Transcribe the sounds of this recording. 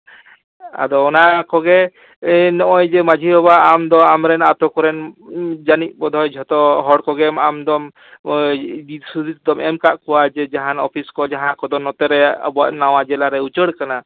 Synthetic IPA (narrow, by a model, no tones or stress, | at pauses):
a̰d̪ɔːnakɔɡɛ | nɔʔɔjd͡ʒɛmad͡ʒʱiɦɔbaːmd̪ɔamɾɛnat̪ɔkɔɾɛnd͡ʒanic̚bɔd̪ʱɔjd͡ʒʱɔt̪ɔɦɔɽkɔɡɛmamd̪ɔm | sud̪it̪̚d̪ɔmɛmkaʔkɔwad͡ʒɛd͡ʒaɦanɔpʰiskɔd͡ʒaɦãʔkɔd̪ɔnɔt̪ɛɾɛa̰bɔaʔnawad͡ʒɛlaɾɛut͡ʃəɽkana